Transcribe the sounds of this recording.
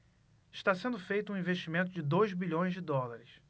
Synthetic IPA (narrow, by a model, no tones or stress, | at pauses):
iʃt̪asẽnd̪ʊfejt̪ũĩveʃt͡ʃimẽnt̪ʊd͡ʒɪd̪ojzbiʎõj̃zd͡ʒɪd̪ɔlaɾɪs